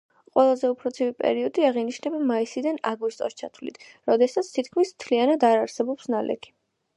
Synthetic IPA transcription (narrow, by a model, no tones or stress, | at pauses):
qʼwɛlˠazɛupʰɾɔt̪sʰivipʼɛ̰ɾiɔd̪iaʁiniʃnɛbamaisid̪anaɡust̪ʼɔst͡ʃʰat̪ʰvlḭt̪ʰ | ɾɔd̪ɛsat̪sʰt̪ʰit̪kʰmismt̪ʰlianad̪aɾaɾsɛbɔpsnalʔɛ̰kʰi̥